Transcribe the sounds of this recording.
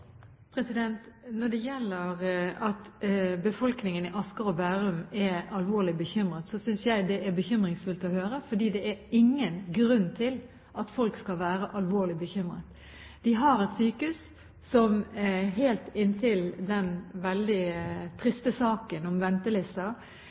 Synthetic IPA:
pʰɾɛsɪd̪ɛnt̪nɔɖ̪ɛjɛlːəʁɑt̪bəfɔlknɪŋənɪʔɑskəɾɔbæːɾʉmɛɾɑlʋoːlɪbəçʏmɾət̪sɔsʏnsjæɪd̪ɛʔɛbəçʏmɾɪŋsfʉlt̪ɔhøːɾəfɔɖ̪iːd̪ɛʔɛɾɪŋːənɡɾʉnːt̪ʰɪl | ʔɑt̪fɔlkskɑlʋæːɾəʔɑlʋoːɭɪbəçʏmɾə̰t̪ | d̪̥ɪɦɑɾɛt̪syːkʉs | sɔmɦeːlt̪ɪnt̪ʰɪld̪ɛnʋɛld̪ɪt̪ʰɾɪst̪əsɑːkənɔmʋɛnt̪əlɪst̪ɑ

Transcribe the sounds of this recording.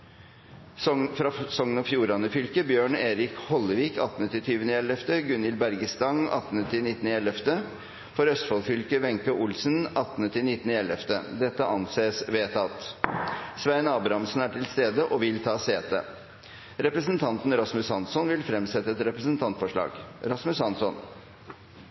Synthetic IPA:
fɾɑsɔŋnɔfjuːɾɑnəfʏlkəbjøːɳeːɾɪkhɔlːəʋiːkɑ̰t̪nət̪ɪt̪ʰyːʋənəɛlɛft̪əɡʉnjɪlbæɾɡəst̪ɑŋɑ̰t̪ːnət̪ʰɪnɪt̪ːn̩ɛlɛft̪ə | fɔɾœst̪fɔlfʏlkəʋɛŋkəʔʊlsnʔɑt̪ːnət̪ʰɪnɪt̪ːnəɛlɛft̪ə̰d̪ɛt̪ːəʔɑnseːsʋeːt̪ʰɑt̪ | sʋæɪnɑːbɾɑmsn̩æʈʰɪlst̪eːd̪əʔɔʋɪlt̪ʰɑːseːt̪ə̰ | ɾɛpɾəsənt̪ʰɑnt̪n̩ɾɑsmʉshɑnsɔnʋɪlfɾɛmsɛt̪ːəɛt̪ɾɛpɾəsnt̪ʰɑnt̪fɔʂɭɑ̰ːɡɾɑsmʉshɑnsɔn

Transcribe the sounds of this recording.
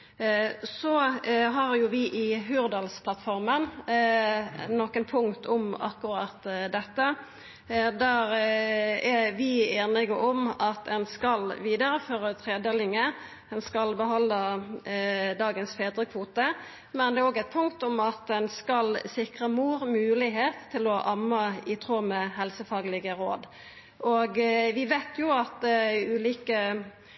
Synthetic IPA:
sɔɦɑɾjʊʋɪʔɪɦʉːʁd̪ɑlspʰlɑt̪fɔɾmən | nɔkənpʰʊŋt̪ʰɔmɑ̰kːʊɾɑt̪d̪ɛt̪ːə | d̪æɾ | æʋɪeːnɪɡəʔɔmɑt̪ɛnskɑlʋiːd̪əɾəføːʁət̪ʰʁeːd̪əlɪŋə | dɛnskɑlbəɦɑnːə | d̪ɑːɡənsfeːd̪ʁəkʰʋuːt̪ə | mɛnd̪ɛæːɾoːɡæɪt̪̚pʰʊŋkt̪ɔmɑt̪ɛnskɑlsɪkʁəmuːɾmʉːlɪɦeːt̪ʰːɪlɔʔɑmːɑɪt̪ʰʁuːmɛhɛlsəfɑːɡlɪɡəɾo̰ːd̪ | ʔoɡʋɪʋeɪt̪ʰjʊɑt̪ʉːliːkə

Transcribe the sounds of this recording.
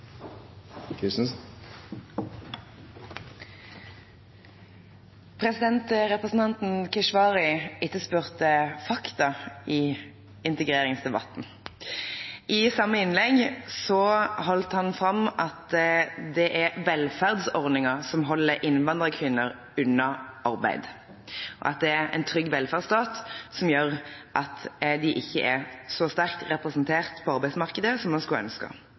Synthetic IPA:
s | pʰʁɛsɪd̪ɛnt̪ʁɛpʁəsn̩t̪ɑnt̪n̩kʰɪʃʋɑːʁɪɪt̪ːəspʉːʁt̪əfɑkt̪ɑiː | ɪnt̪ɛɡʁeːʁɪŋsd̪ɛbɑ̰t̪n̩ | ʔɪsɑmːəɪnlɛɡsɔɦɔlt̪hɑnfɾɑmɑt̪d̪ɛʔæɾʋɛlfæʁd̪sɔʁd̪nɪŋəsɔmɦɔlːəɾʔɪnʋɑnd̪ʁəkʰʋɪnːəɾ | ʉnːɑʔɑɾbæ̰ɪd̪ | ʔɔ̰ʔɑ̰t̪̚d̪ɛæɾɛ̰ɪnt̪ʰɾʏɡːʋɛlfæʁd̪sd̪ɑːt̪sɔmjøːɾʔɑt̪d̪ɪʔɪçːə̰ʔɛsɔst̪æʁk̚t̪ʁɛpɾɛsnt̪ʰeːʁt̪pʰɔɑɾbæɪsmɑʁkəd̪əsɔmːɑnskʉlœ̰nskɑ̰

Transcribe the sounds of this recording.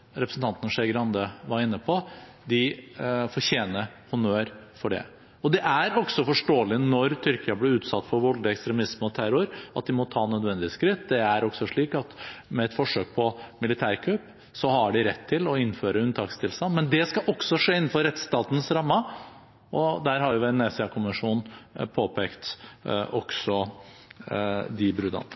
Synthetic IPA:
ɾɛpɾəsn̩t̪ʰɑnt̪ənəʂɛɡɾɑnd̪əʋɑɾɪnːəpʰɔ | d̪ɪfɔɾçeːnəhʊnøːɾfɔɖɛ̰ | ɔd̪ɛʔæɾɔɡsɔfɔʂʈoːlɪnɔɾt̪ʰʏɾkɪɑblɪɾʉːt̪sɑt̪ːfɔɾʋɔld̪ɪɛkst̪ɾɛmɪsməɔt̪ʰæɾʊɾɑt̪̚d̪ɪmɔt̪ʰɑːnœd̪ʋɛnd̪ɪskɾɪt̪ːd̪ɛæɾɔksɔʂɭiːkɑt̪mɛɛt̪fɔʂøːk̚pʰɔmɪlɪt̪ʰæːɾkʰœpː | sɔhɑɖɪɾɛt̪ʰːɪlɔɪnːføːɾəʉnt̪ʰɑːkst̪ʰɪlst̪ɑnmɛnd̪ɛskɑʔɔksɔʂeːɪnn̩fɔɾɛt̪st̪ɑːt̪n̩sɾɑmːə | ʔɔd̪æːɾɦɑɾjʊʋɛnɛsɪɑkʰʊməʂuːnnpʰoːpʰeːkt̪ʔɔksɔ | d̪ɪbɾʉd̪ɑ̰n

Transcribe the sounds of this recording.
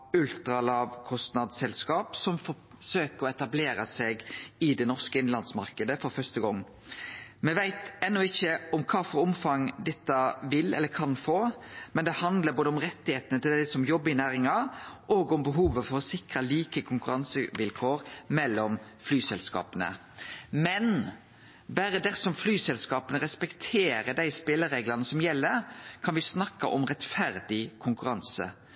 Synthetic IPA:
ʉlt̪ɾɑlɑːʋkʰɔst̪nɑd̪sɛlskɑːpsɔmfɔ | søːkəɾɔɛt̪ɑbleːɾəsɛɡɪd̪ɛnɔʁkəɪnlɑnsmɑɾkəd̪əfɔɾfœʂt̪əɡɔŋː | mɛʋæɪt̪ɛnːʊɪçːəɔmkʰɑːfɔɾʊmfɑŋd̪ɛt̪ːɑʋɪlɛ̰lːəkʰɑnfoːmɛnd̪ɛhɑnd̪ləɾboːd̪əʊmɾɛt̪ːɪheːt̪ənət̪ɪld̪ɪsɔmjɔbːəɪnæːɾɪŋɑʔoːɡɔmbəɦuːʋəfɔɾɔsɪkɾəliːkəkʰʊŋkʉɾɑnsəʋɪlkʰoːɾmɛlːɔmflyːsɛlskɑ̰ːpənə̰ | mɛn | bæːɾəd̪ɛsɔmflyːsɛlskɑːpənəɾɛspɛkt̪ʰeːɾəd̪æɪspɪlːəɾeːɡlɑnəsɔmjɛlːəɾkʰɑnʋɪsnɑkːɑʔɔmɾɛt̪fæɾd̪ɪkʰʊŋkʉɾɑnsə̰

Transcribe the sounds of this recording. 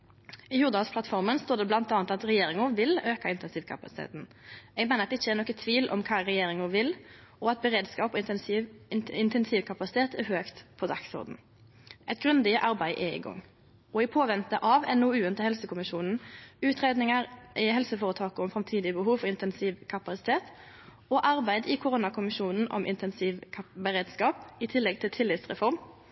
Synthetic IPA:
ɪjuːʁd̪ɑsplɑt̪fɔʁmənst̪oːʁd̪ɛblɑnt̪ɑːɑnt̪ɑt̪ʁɛjeːɾɪŋʊʋɪløːkɑɪnt̪ɛnsiːʋkʰɑ̰pɑsɪ̥t̪ḛːt̪n̩ | ɛɡmeːnəɾɑt̪ːɛɪçːəɛʁnɔkət̪ʰʋiːlʔɔ̰mkʰɑːʁɛjeːɾɪŋʊʋɪl | ʔɔɑt̪̚bəʁeːd̪skɑːpɔ | ɪnt̪ɛnsiːʋkʰɑpɑsɪ̥t̪ʰeːt̪ɛʁhøːkt̪pʰɔd̪ɑksɔ̰ɾd̪n̩ | ʔɛt̪ɡʁʉnd̪ɪəʔɑɾbæɪʔɛɪ̰ɡɔ̰ŋː | ɔɪpʰoːʋɛnt̪əʔɑʋɛnuːʉːənt̪əhɛlsəkʊmɪʃuːnn̩ʉːt̪ʰʁeːd̪nɪŋəɾʔɪhɛlsəfoːʁət̪ʰɑːkəɔmfʁɑmt̪ʰiːd̪ɪəbəɦuːʋfɔʁɪnt̪ɛnsiːʋkʰɑpɑsɪt̪ʰeːt̪ | ɔʔɑʁbæɪd̪ɪkʰʊʁʊnɑkʰʊmɪʃuːnn̩ʔɔ̰mʔɪ̰nt̪nsʋbəʁeːd̪skɑːpɪt̪ʰɪlːɛɡ̚t̪ʰɪlt̪ʰɪlːɪt̪sʁɛfɔɾm

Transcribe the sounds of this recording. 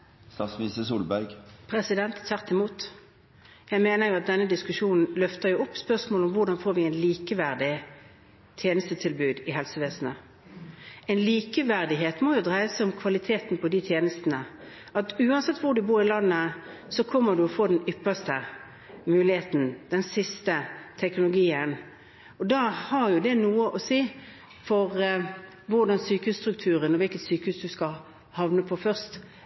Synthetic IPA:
st̪ɑsʋiːsəsuːlbæɾɡpʰʁɛsɪd̪ɛnt̪t̪ʰæʁt̪ʰɪmuːt̪ | jæɪmeːnəʁjʊɑt̪̚d̪ɛnːəd̪ɪskʉʂuːnn̩lœft̪əʁjʊɔpːspœʁsmoːlʊmʋʊʁd̪ɑnfoːɾʋɪɛɪnliːkəʋæʁd̪ɪ | t̪ʰjeːnəst̪ət̪ʰɪlbʉːd̪ɪɦɛlsəʋeːsn̩ə | ɛɪnliːkəʋæʁd̪ɪɦeːt̪moːjʊd̪ʁæɪəsʊmkʰʋɑlɪt̪ʰeːt̪npʰɔd̪ɪt̪ʰjeːnəst̪n̩ə | ɑt̪ʉːɑnsɛt̪ːʋʊːɖ̪ʉbuːɾɪlɑnːə | sɔkʰɔmːəd̪ʉɔfoːd̪ɛnʏpːəst̪ə | mʉːlɪheːt̪n̩d̪̥ɛnsɪst̪ət̪ʰɛknʊlʊɡiːən | ɔd̪ɑhɑʁjʊd̪ɛnuːəʔɔsiː | fɔʁ | ʋʊʁd̪ɑnsyːkəhʉːst̪ʁʉk̚t̪ʰʉːʁənɔʋɪlkət̪syːkəhʉːsd̪ʉskɑ | hɑʋnəpʰɔfœʁst̪

